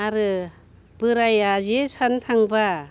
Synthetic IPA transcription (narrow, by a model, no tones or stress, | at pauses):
aɾɯ | b̥ɯɾajazesantʰaŋba